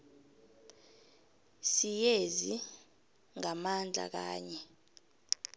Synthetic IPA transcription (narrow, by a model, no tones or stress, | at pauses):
sijezi | ŋamand͡ɮʱa̰k̬a̰ːɲɛ